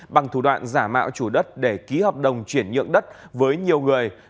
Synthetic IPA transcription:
ɓa˨˩ŋt̪ʰu˧˩ɗwa̰ː˧˨nzaː˧˩ma̰ː˧˨wt͡ɕu˧˩ɗə˦˥t̚ɗe˧˩ki˨˦hɔː˨˩p̚ɗə˨˩wŋ͡mt͡ɕwi˧˩ənɲɨ̰˧˨əŋɗə˦˥t̚vəː˨˦jɲi˨˩əwŋɨ˨˩əj

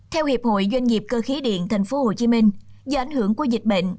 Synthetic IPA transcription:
t̪ʰɛ˧whi˨˩əp̚ho̰˧˨jzwa˧ŋ̟ɲi˨˩p̚kəː˧xi˨˦ɗḭ˧˨ənt̪ʰa˨˩ŋ̟fo˨˦ho˧˩t͡ɕi˨˦mï˧ŋ̟zə˧˩ʔa˧˩jŋ̟hɨ˧˩əŋku˧˩əzi˨˩k̟̚ɓə̰˧˨ŋ̟

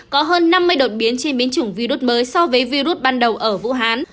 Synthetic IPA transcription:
kɔ˨˦ɦəː˧nːa˧mːɨ˧əjɗo˨˩t̚ɓi˨˦ənt͡ɕe˧nɓi˨˦ənt͡ɕɨ˧˩əŋvi˧ɾu˦˥t̚məː˨˦jsɔ˧vəː˨˦jvi˧ɾu˦˥t̚ɓaː˧nɗə˨˩wʔəː˧˩vṵ˧˥ɦaː˨˦n

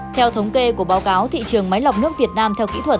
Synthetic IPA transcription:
t̪ʰɛ˧wt̪ʰə˨˦wŋ͡mke˧ku˧˩əɓaː˨˦wkaː˨˦wt̪ʰḭ˧˨t͡ɕɨ˨˩əŋma˨˦jla˨˩wk͡p̚nɨ˦˥ək̚vi˨˩ət̚naː˧mt̪ʰɛ˧wkḭ˧˥t̪ʰwə˨˩t̚

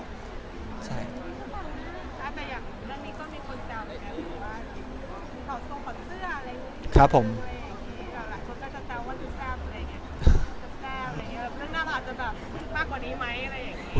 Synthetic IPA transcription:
t͡ɕʰa˥˩jɔ˧˩˧naː˥˩t̪ɛː˨˩jaː˨˩ŋ˨˩ɾɯ˥˩əŋniː˦˥k̪ɔː˥˩miː˧kʰo˧nt͡ɕɛː˧wma˧˩ʔaː˦˧˩lɯ˨˦waː˥˩˨i˧˥˧kɔː˧˩u˧tɔː˨˩so˧kʰɔ˨˩t̪sɯ˥˩ɐʔa˧ɾa˧jŋ˧˥˧kʰɾa˦˥pʰːo˨˩˦m˧a˧ja˨˩ŋːi˦˥aː˨˩laː˨˦jkʰo˧nkɔː˥˩t͡ɕa˨˩t͡ɕɛː˧waː˥˩t̪u˧˩sɛː˧˥mʔa˨˧a˧˨ŋːi˦˥ɐ˧˩˧t͡ɕʰa˨˩p̚kɛː˥˩a˨˧ŋi˦˥˨laː˧˩˧ɯ˥˩˨ŋnaː˦˥nʔaː˨˩t̪̚t͡ɕa˨˩bɛː˨˩p̚maː˧˩kwaː˨˩niː˦˥ma˦˥jʔa˨˧ɾa˧jːa˨˩ŋːiː˦˥

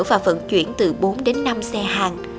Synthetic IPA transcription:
wvaː˨˩fə̰˧˩nt͡ɕwḭ˧˩ənt̪ɨ˨˩ɓo˨˦nɗe˨˦nːa˧msɛ˧haː˨˩ŋ

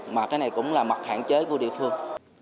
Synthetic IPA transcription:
maː˨˩kaː˨˦jna˨˩jkʊ̰˧˥wŋ͡mlaː˨˩ma˨˩t̚ha̰ː˧˨nt͡ɕə˨˦jku˧˩əɗḭ˧˨əfɨ˧əŋ

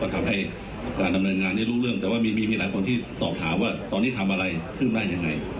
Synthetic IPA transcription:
a˧˩t̪ʰa˧mɦa˥˩j | kaː˧nda˧mnɤː˧nŋaː˧nːda˥˩jɾuː˥˩ɾɯ˥˩əŋt̪ɛː˨˩waː˥˩miː˧miː˧miː˧˩laː˨˦jkʰo˧nt̪ʰiː˥˩sɔː˨˩p̚t̪ʰaː˩˦mwaː˥˩t̪ɔː˧nːiː˦˥˩t̪ʰa˧mʔa˧ɾa˧jk̪ʰɯː˥˩mdaː˥˩ja˧ŋːa˧j

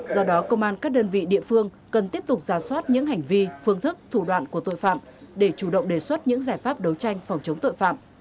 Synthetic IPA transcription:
zɔ˧ɗɔ˨˦kə˧wŋ͡mʔaː˧nkaː˦˥k̚ɗəː˧nvḭ˧˨ɗḭ˧˨əfɨ˧əŋ | kə˨˩nt̪i˦˥əp̚t̪ʊ˨˩k͡p̚zaː˧˩swaː˦˥t̚ɲɨ̰˧˥ŋɦa˨˩jŋ̟vi˧fɨ˧əŋt̪ʰɨ˦˥k̚t̪ʰu˧˩ɗwa̰ː˧˨nku˧˩ət̪o̰˧˨jfa̰ː˧˨mɗe˧˩t͡ɕu˧˩ɗə̰˧˨wŋ͡mɗe˨˩swə˦˥t̚ɲɨ̰˧˥ŋzaː˧˩jfaː˦˥p̚ɗə˨˦wt͡ɕa˧jŋ̟fwŋ͡mt͡ɕə˨˦ŋ͡mt̪o̰˧˨jfa̰ː˧˨mʔ

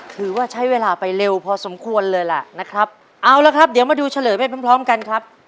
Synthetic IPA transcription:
kʰɯː˧˩waː˥˩t͡ɕʰa˦˥jweː˧laː˧pa˧jɾe˧wpʰɔː˧so˩˦mkʰu˧ənlɤː˧jla̰˨˩na˦˥kʰɾa˦˥p̚ | ʔa˧wla˧˦kʰɾa˦˥p̚di˨˩˦maː˧duː˧t͡ɕʰa˧lɤː˨˦jpa˧˥˩pʰa˦pʰɾɔː˦˥mka˧nkʰɾa˦˥p̚

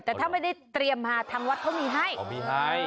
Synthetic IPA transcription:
t̪ɛː˨˩t̪ʰaː˥˩ma˥˩jda˥˩jt̪ɾi˧əmhaː˧t̪ʰaː˧ŋwa˦˥t̪̚kʰɔ˦˥˩miː˧ɦa˥˩ji˧a˦˥j

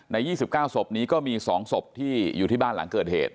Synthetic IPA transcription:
na˧jːiː˥˩si˨˩p̚kaː˥˩wso˨˩p̚niː˦˥kɔː˥˩miː˧sɔː˩˦ŋso˨˩p̚t̪ʰiː˥˩jṵː˨˩iː˥˩baː˥˩la̰˩˦ŋkɤː˨˩t̪̚hḛː˨˩t̪̚

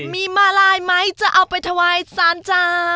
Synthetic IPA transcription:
miː˧maː˧laː˧jma˦˥jt͡ɕa˨˩ʔa˧wpa˧jt̪ʰa˧waː˧jsaː˨˦˥nt͡ɕaː˧

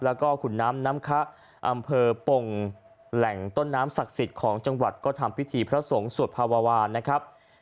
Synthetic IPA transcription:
lɛː˦˥wkɔː˥˩kʰu˨˩nːaː˦˥mnaː˦˥mkʰa˦˥ʔ | ʔa˧mpʰɤː˧po˧ŋ | lɛ˨˩˦ŋt̪o˥˩nːaː˦˥msa˨˩k̚si˨˩t̪̚kʰɔː˩˦ŋt͡ɕa˧ŋwa˨˩t̪̚kɔː˥˩t̪ʰa˧mpʰi˦˥t̪ʰiː˧pʰɾa˦˥so˩˦ŋsu˨˩ət̪̚pʰaː˧waː˧waː˧nːa˦˥kʰɾa˦˥p̚

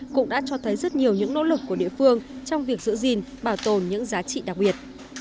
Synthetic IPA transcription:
kʊ̰˧˥ŋ͡mɗa̰ː˧˥t͡ɕɔ˧t̪ʰə˨˦jzə˦˥t̚ɲi˨˩əwɲɨ̰˧˥ŋno̰˧˥lɨ˨˩kːu˧˩əɗḭ˧˨əfɨ˧əŋt͡ɕɔ˧wŋ͡mvi˨˩ək̚zɨ̰˧˥zi˨˩nɓaː˧˩wt̪o˨˩nɲɨ̰˧˥ŋzaː˨˦t͡ɕḭ˧˨ɗa˨˩k̚ɓi˨˩ət̚

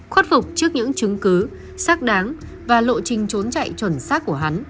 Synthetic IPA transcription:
xwe˦˥t̚fʊ˨˩k͡p̚t͡ɕɨ˦˥ək̚ɲɨ̰˧˥ŋt͡ɕɨ˨˦ŋkɨ˨˦ | saː˦˥k̚ɗaː˨˦ŋ | vaː˨˩lo̰˧˨t͡ɕï˨˩ŋ̟t͡ɕo˨˦nt͡ɕa̰˧˨jt͡ɕwə˧˩nsaː˦˥k̚ku˧˩əɦa˨˦n

